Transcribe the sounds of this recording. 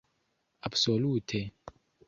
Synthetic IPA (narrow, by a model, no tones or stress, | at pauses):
absoluːtʰɛ